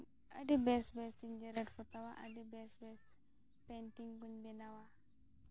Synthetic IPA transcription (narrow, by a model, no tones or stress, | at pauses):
əɖibɛsbɛsiɲd͡ʒɛɾəʈpʰɔt̪awaʔə̰ɖibɛsbɛs | penʈiŋbuɲbɛnawa